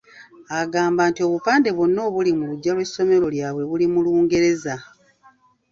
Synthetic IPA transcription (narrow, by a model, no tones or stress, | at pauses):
aɡaːmbaːntio̞βupaːnde̞βonːo̞ːβulimuluɟːalwe̞sːo̞me̞ɾo̞ljaːβwe̞βulimuluːŋɡe̞ɾe̞za